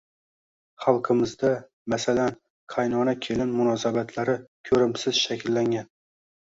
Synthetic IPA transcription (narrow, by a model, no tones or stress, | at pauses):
χalˠqʰɨmɪzd̪a | masalan | qʰajnɒnakʲʰelɪnmʊnɒsabat̪ʰlaɾɪkʲʰɵɾɪmsɪz̥ʃakʲʰɪlːaŋʲan